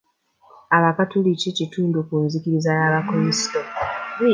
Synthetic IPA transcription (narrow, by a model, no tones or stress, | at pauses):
aβakatulicecituːndukunzikiɾizajaβakomisi̥to